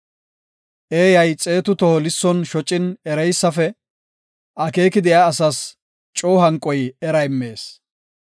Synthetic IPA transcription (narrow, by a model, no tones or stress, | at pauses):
ʔeːjɐjt͡sʼe̞ːt̪ʊt̪ɔhɔlɪsːɔnʃɔt͡ʃʼːɪnɛɾɛjsːɐfɛ | ʔɐke̞ːkɪd̪ɪjaːsɐs | t͡ʃʼoːɦɐŋkʼːɔjɛɾɐjmːe̞ːs